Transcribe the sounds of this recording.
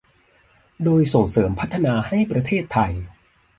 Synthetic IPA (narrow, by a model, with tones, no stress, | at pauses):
doː˧jso˨˩ŋsɤː˩˦mpʰa˦˥t̪ʰːa˧naː˧ha˥˩jpɾa˧t̪ʰeː˥˩t̪ʰːa˧j